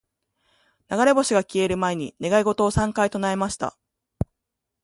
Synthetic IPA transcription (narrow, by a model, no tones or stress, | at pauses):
naɡaɾe̞bo̞ɕiɡakʲie̞ɾɯ̟mae̞ɲ̟ine̞ɡaiɡo̞t̪o̞ːsãŋkait̪onae̞maɕi̥t̪a̰